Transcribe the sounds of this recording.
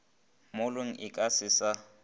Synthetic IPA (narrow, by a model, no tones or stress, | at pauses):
mʊlʊŋ̩ʔɪkʼasɪsa